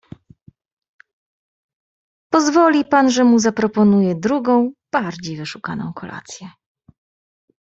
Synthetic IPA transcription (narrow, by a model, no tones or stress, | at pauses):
pɔzvɔlʲipanʐɛmuzapɾɔpɔnujɛd̪ɾuɡɔ̃w̃b̥aɾd͡ʑejvɘʂuka̰nɔ̰̃w̃kʰɔlʔa̰t̪sʲjɛ